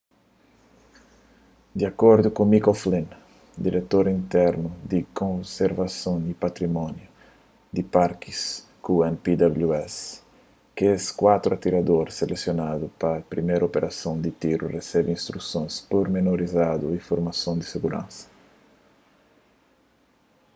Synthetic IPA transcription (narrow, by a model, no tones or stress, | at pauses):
d̪iakɔɾd̪ʊkõmikoflẽn | d̪iɾet̪oɾĩnt̪ɛɾnʊd̪ɪkõseɾvasõwipat̪ɾimɔ̃njʊ | d̪ɪpaɾkis | kuɛ̃npid̪abluɛs | kɛskwat̪ɾuat̪iɾad̪oɾselesjonad̪ʊpapɾimejɾopeɾʔasõnd̪ɪt̪iɾṵresɛbiĩnst̪ɾusõj̃spoɾmenoɾizad̪uifoɾmasõd̪ɪseɡuɾã̰nsɐ̥